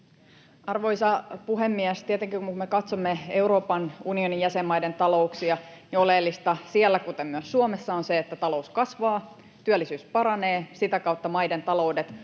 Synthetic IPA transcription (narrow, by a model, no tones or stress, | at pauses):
ʔɑrʋojsɑpuɦemːiæst̪iet̪eŋkikumuumekɑt̪somːee̞uɾo̞ːpɑnunio̞nijæsemːɑjde̞nt̪ɑlo̞uksiɑniolelːist̪ɑsiælːækut̪emmyøsːuomesːɑonseːt̪ːæt̪ɑlo̞uskɑsʋɑː | t̪yælːˑisyːspɑɾɑne̞ːsit̪ækɑut̪ːɑmɑjdent̪ɑlo̞udet̪